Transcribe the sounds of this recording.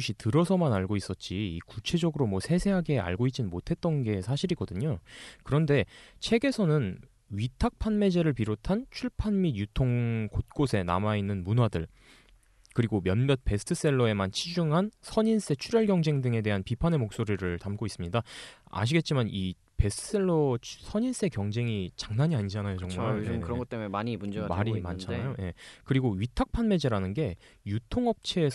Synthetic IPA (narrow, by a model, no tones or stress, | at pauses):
uɕʰitɯɾʌsʰʌmanaɭɡois͈ʌt̚t͡ɕ͈iikut͡ɕʰe̞d͡ʑʌɡɯɾomwʌsʰe̞sʰe̞ɦaɡe̞a̰ɭɡoit̚t͡ɕ͈innmotʰe̞t̚t͈ʌnɡe̞sʰaɕʰiɾiɡʌdɯɲokɯɾʌnde̞t͡ɕʰe̞ɡe̞sʰʌnɯn | ɥitʰak̚pʰanme̞d͡ʑe̞ɾɯɭpiɾotʰant͡ɕʰuɭpʰanmidjutʰoŋkot̚k͈osʰe̞na̰mainːɯnmunɦwadɯɭ | kɯɾiɡomjʌnmjʌt̚pe̞sʰɯ̥tʰɯs͈e̞ɭːʌe̞mant͡ɕʰid͡ʑuŋɦansʰʌɲins͈e̞t͡ɕʰuɾjʌɭɡʲjʌŋd͡ʑe̞ŋdɯŋe̞de̞ɦanpipʰane̞mok̚s͈oɾiɾɯɭtamk͈ois͈ɯmɲidaa̰ɕ̬iɡe̞t̚t͡ɕ͈imani | pe̞sʰtʰɯ̥s͈e̞ɭːosʰʌɲins͈e̞kjʌŋd͡ʑe̞ŋit͡ɕḁŋnaɲiaɲid͡ʑanajot͡ɕʌŋmuokɯɾʌŋɡʌt͈emmaɲimud͡ʑemaɾima̰nt͡ɕʰanajoje̞kɯɾiɡoɥitʰak̚pʰanme̞d͡ʑeɾanɯnɡe̞ | jutʰoŋʌp̚t͡ɕʰeː